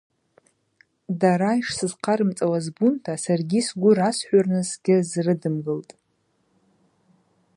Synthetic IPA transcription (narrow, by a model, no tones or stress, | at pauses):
daɾajʂsɨzqʰaɾɨmt͡sʼawazbuntʰasarɡʲisɡʷʊrasħʷᶣarnɨsɡʲɪzrɨdɨmɡɨltʼ